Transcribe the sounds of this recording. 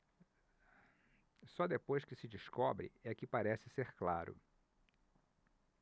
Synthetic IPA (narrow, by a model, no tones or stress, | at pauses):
sɔd̪epojskɪsɪd͡ʒiskɔbɾɪ̰ɛkɪpaɾɛsɪseɾklaɾʊ̰